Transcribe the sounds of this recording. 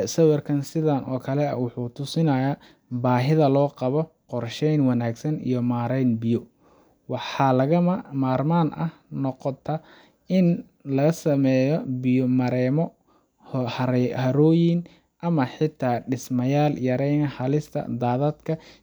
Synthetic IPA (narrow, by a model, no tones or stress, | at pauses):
sɐwɑrkʰɐnsɪðanʔɔːkʰɐlɛɐ̰wʊħuːt̪ʰʊsɪnɐjaː | baːɦɪðɐlɔːqɑβɔ | qɔrʃɛjnwɑnaːɡsɐnḭjɔmaːɾɛjnbɪjɔ | wɑħɑːlɐɣɐmmaːrmaːnʔɐ̰hnɔqɔt̪ʰɐ | ɪn | lɐɣɐsɐmɛjɔbɪjɔmɐɾɛːmɔ | hhɐɾhɐɾɔːjɪn | ʔɐmɐħɪt̪ʰːaːɖɪsmɐjaːljɐɾɛjnɐhɐlɪst̪ʰɐ̰d̪aːðɐd̪kʰɐ